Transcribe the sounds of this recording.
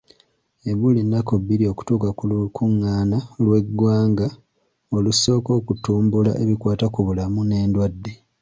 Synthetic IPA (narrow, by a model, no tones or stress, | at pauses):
e̞βulinːakobːiɾio̞ku̥tuːkakukuŋːaːnalwe̞ɡwaːŋɡa | oluso̞ːko̞ːkutuːmbula̰ʔe̞βikwaːtakuβulamune̞ːndwadːe̞